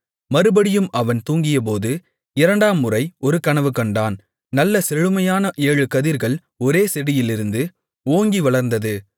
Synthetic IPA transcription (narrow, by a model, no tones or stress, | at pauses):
mɐɾɯbɐɽɪjɯmʔɐʋɐnt̪uːŋɡɪjɐp̬oːðɯ | ɪɾɐɳɖaːmːɯrɐɪɔɾɯkɐɳɐʋɯkɐɳɖaːn | nɐlːɐsɛɻɯmɐjaːnɐʔeːɻɯkɐðiɾɣɐɭ | ɔɾeːsɛɽɪjɪlɪɾɯnd̪ɯ | oːŋɡiʋɐɭɐɾnd̪ɐðɯ